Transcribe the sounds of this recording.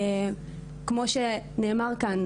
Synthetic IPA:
kmo̞ʃene̞ːmaʁkan

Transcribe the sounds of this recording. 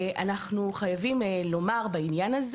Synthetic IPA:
a̰naχnuχajavimlo̞maʁbainjanaz

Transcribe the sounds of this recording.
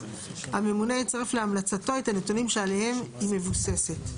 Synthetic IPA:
hame̞munejet͡saʁefleamlat͡sato̞et̪anetunimʃeale̞he̞mhime̞vuse̞se̞t

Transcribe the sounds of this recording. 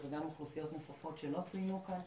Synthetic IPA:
veɡamuχlusijo̞t̪nosafo̞tʃelo̞t͡sinukan

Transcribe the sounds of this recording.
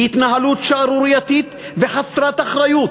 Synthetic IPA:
hit̪naɦalut̪ʃaaɾuɾijat̪it̪ | veχasɾat̪aχɾajut̪

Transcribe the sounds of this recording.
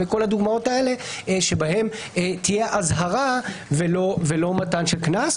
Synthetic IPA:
eko̞lhad̪uɡmao̞tae̞le̞ʃebahe̞m | t̪ijeʔazɦaʁavelovelo̞matanʃeknas

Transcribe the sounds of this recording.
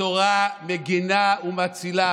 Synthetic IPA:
oʁameɡinaumat͡sila

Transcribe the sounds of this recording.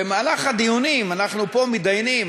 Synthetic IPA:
emaːlaχad̪ijunimanaχnupo̞mid̪ajnim

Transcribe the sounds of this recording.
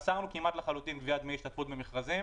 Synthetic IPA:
saʁnukimat̪leχalut̪inbviad̪meiʃt̪at̪fut̪bemeχʁazim

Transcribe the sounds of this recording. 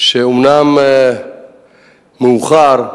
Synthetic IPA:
ʃeumnam | muuχaɾ

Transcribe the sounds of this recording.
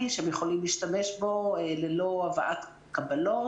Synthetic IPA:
iʃeemjeχolimliːʃt̪ame̞ʃbo̞lelo̞avaʔat̪ | kabalo

